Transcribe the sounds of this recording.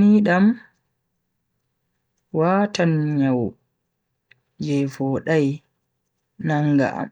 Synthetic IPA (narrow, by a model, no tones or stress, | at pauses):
niɗam | watanɲaw | d͡ʒɛvɔɗaj | naŋɡa̰a̰m